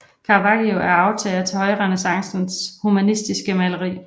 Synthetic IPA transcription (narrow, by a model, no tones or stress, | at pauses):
kʰɑ̈ːʋɑ̈ɡ̥ioʔæɐɑ̈ʊt͡sʰɛ̰ːlt͡sʰe̝hɒ̽ɪʁɛnəsɑ̈ŋsn̩shumænisd̥isɡ̥əmæləʁḭː